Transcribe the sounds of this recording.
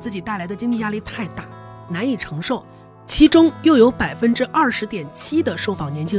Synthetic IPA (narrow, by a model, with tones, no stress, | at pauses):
t͡sɹ̩˥˩t͡ɕi˨˩t̪a˥˩ɪla˧˥ɪd̪ə˧t͡ɕi˥ŋt͡ɕi˥˧ja˥˧li˥˧t̪ʰa˥˧ɪt̪a˥˩ | na˧˥ni˨˩ʈ͡ʂʰɤ˧˥ŋʂo˥˩ʊ | t͡ɕʰi˧˥ʈ͡ʂʊ˥ŋjo˥˩ʊjo˧˥ʊpa˨˩ɪfə˥nʈ͡ʂɻ̩˥ʔɐ˥˩ʂɻ̩˧˥t̪jɛ˨˩nt͡ɕʰi˥d̪ə˨ʂo˥˧ʊfɑ˨˩ŋnjɛ˧˥nt͡ɕʰi˥